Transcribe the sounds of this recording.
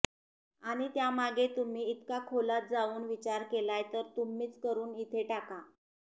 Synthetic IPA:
aɽ̃it̪jamaɡʱet̪um̤iːt̪kakʰolat̪̚d͡zauːnʋit͡ɕaɾkelajt̪əɾt̪um̤iːt͡skəɾuːnit̪ʰeʈaka

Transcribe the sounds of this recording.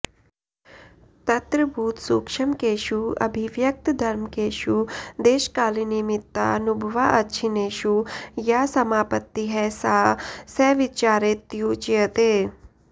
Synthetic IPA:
t̪ɐt̪ɾəbʱuːt̪sukʃɐmkeːʃuɐ̰bʱiʋjɐk̚t̪d̪ʱɐɾmkeːʃud̪eːʃkaːlinimit̪ːa̰nubʱɐʋaʔɐtːʃʰineːʃujaːsɐmaːpət̪ːiɦɛsaːsɛːʋit͡ʃaːɾeːt̪ːjut͡ʃijət̪eː

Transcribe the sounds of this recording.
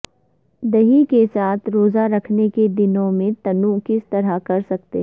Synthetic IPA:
d̪ɐɦikesaːt̪ʰɾoːzaɾɐkʰneked̪ɪnõmẽt̪ɐnũkɪst̪ɐɾakɐɾsɐk̚t̪ḛɦ

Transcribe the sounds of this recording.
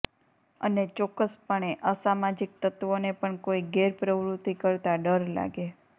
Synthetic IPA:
ənet͡ʃɔkːəspəɳ̃eʔəsamad͡ʒik̚t̪ət̪ʋonepəɳkoiɡeɾpɾəʋɾut̪ːikəɾt̪aɖəɾla̰ɡe

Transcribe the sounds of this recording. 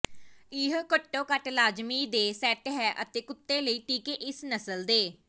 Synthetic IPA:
iːɦkəʈːõːkəʈlaːd͡ʒmiːd̪eːsɛːʈɦɛːʔət̪eːkʊt̪ːeːləiːʈiːkeːʔɪsnəsəld̪eː

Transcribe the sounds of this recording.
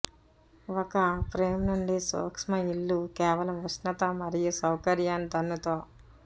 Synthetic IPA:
ɔkɐpɾeːmnuɳɖiso̰ːkʂmɐiɭːukɛːʋɐlɐmʋusnɐt̪ɐmɐɾijusɐwkɐɾjaːnd̪ɐnːut̪oː

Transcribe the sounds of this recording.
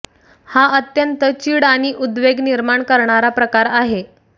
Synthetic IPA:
haət̪jənt̪ət͡ɕiːɽaɽ̃iʔud̪ʋeɡniɾmaɳkəɾɳaɾapɾəkaɾaɦe

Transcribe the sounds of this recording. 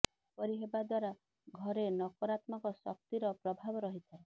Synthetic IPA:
pɔɾiɦebad̪waɾa | ɡʱɔɾenɔkɔɾat̪maŋkɔsɔ̰k̚t̪iɾɔpɾɔbʱabɔɾɔɦit̪ʰae

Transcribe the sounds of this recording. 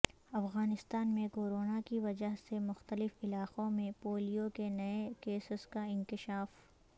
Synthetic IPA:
ɐfɣaːnɪst̪aːnmẽkoːɾoːnakiʋɐd͡ʒəɦsemʊxt̪əlɪfɪlaːqõmẽpoːlijokenɐekeːsɪskaɪ̃nkɪʃaːf

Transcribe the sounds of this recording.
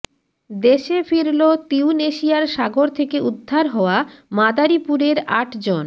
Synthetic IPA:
d̪eʃefiɾlot̪iuneʃiaɾʃaɡoɾt̪ʰekeud̪ʱːaɾɦɔoamad̪aɾipuɾeɾaʈd͡ʑon

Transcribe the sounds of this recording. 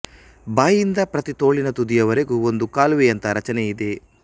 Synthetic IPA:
baːjind̪ɐpɾɐt̪it̪o̞ːɭinɐt̪ud̪ijɐʋɐɾeɡuond̪ukaːlʋejɐnt̪ɐɾɐt͡ʃɐnɛid̪e̞

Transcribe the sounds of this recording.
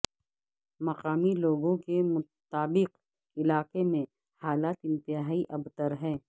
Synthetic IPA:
mɐqaːmiloːɡõkemʊ | t̪aːbɪq | ɪlaːqemẽ | haːlaːt̪ɪ̃nt̪ɪɦaːiʔɐbt̪əɾɦɛ̃ː

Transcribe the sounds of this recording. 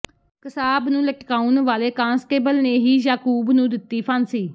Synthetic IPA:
kəsaːbnũːləʈkaːunʋaːleːkãːnsʈeːbəlneːɦiːjaːkuːbnũːd̪ɪt̪ːiːpʰənsiː

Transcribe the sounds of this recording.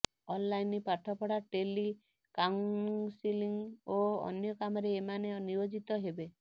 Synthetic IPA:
ɔnlajnipaʈʰɔpɔɽaʈeli | kasiliŋoɔ̰njɔkamɔɾeːmaneniɾod͡ʒit̪ɔɦebe

